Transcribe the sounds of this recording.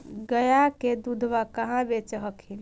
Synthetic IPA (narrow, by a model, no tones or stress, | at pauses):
ɡəjaked̪ud̪ʱʋakəɦãbet͡ʃəɦəkʰin